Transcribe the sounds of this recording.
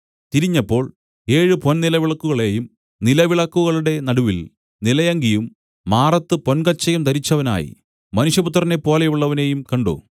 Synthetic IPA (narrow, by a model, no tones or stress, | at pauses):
t̪iɾiɲːɐpːo̞ːɭ | e̞ːɻɨpo̞nnilɐʋiɭɐkːuɣɐɭe̞ːjum | nilɐʋiɭɐkːuɣɐɭuɽe̞nɐɽuʋil | nilɐjɐŋɡijumː | aːrɐt̪ːɨpo̞nkɐt͡ɕːɐjumt̪ɐɾit͡ɕːɐʋɐna̰ːjḭ | mɐnuʂjɐput̪̬ːrɐne̞pːo̞ːlejuɭːɐʋɐne̞jumkɐɳɖo̰ː